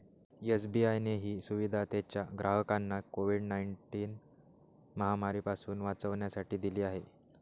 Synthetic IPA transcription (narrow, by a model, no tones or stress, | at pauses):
esbiajneɦiːsuʋid̪ʱat̪et͡ɕjaɡɾʔaɦəkanːakoʋiɖnaiɳʈiːn | məɦamaɾiːpasuːnʋat͡səʋɳjasaʈiːd̪iliːaɦe